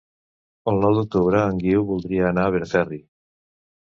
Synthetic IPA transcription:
olnɔwd̪ok̚t̪uβɾaːŋɡiuβuld̪ɾiaːnaβeɾfɛri

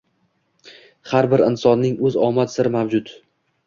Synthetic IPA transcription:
haɾbɪɾɪnsɒnːɪŋɵzɒmat̪sɪɾɪmavd͡ʒʊt̪

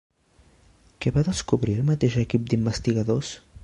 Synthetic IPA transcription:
keβaðəskuβɾiəlˠmat̪eʃɛkip̚d̪imbəst̪iɣɐðos

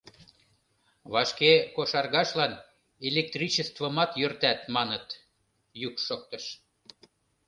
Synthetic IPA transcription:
βɑʃkekoʃɑrɣɑʃlɑn | elek̚t̪rit͡ɕəst̪vəmɑt̪jørt̪æt̪mɑnət̪ | jykʃok̚t̪əʃ

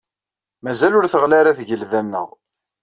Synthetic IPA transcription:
mæzælʊɾθəʁlaɾaθʝəlðænːə̰ʁ

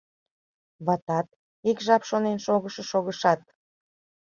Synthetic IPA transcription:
βɑt̪ɑt̪̚ | ikʒɑpʃonenʃoɣəʃɤʃoɣəʃɑt̪̚

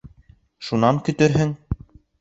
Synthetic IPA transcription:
ʃunɑŋkɵ̆t̪ɵɾɦɘŋ

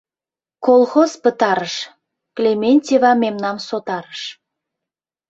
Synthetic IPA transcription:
kolˠxozpət̪ɑɾəʃ | klemenʲtʲevɑmemnɑmsot̪ɑɾəʃ

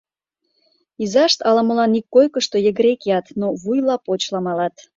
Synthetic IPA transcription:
izɑʃt̪ɑlɑməlɑnikːojkəʃt̪ojəɣɾekiɑt̪noβujlɑpot͡ɕlɑmɑlɑt̪

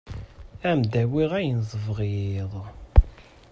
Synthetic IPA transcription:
æmd̪æwiʁæjənzˤəvʁiðˤ

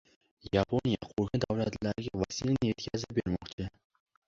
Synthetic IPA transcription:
japʰo̞nijaqʰoɾkɪd̪avlat̪laɾɪɡʲavasilnɪje̞t̪kʲʰazɪp̚be̞ɾmɒqt͡ʃʰɪ

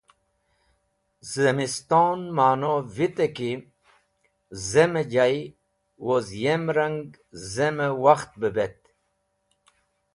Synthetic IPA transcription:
zəmist̪onmaːnovit̪eki | zemed͡ʑaj | wozjemɾəŋɡ | zeməwaxt̪̚bəbet̪

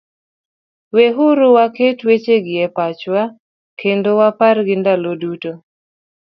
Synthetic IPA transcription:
weɦuɾʊwaketwet͡ʃeɡɪɛpat͡ʃwa | kʰendowapaɾɡɪndaloduto

